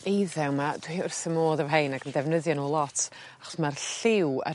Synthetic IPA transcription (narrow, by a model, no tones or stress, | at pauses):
ejðɛwmad̥wiʊrθəmoːðəvɦejnaɡəndɛvnəðjɔnuːlˠɔtʰ | aχɔ̥smarɬɪwə̰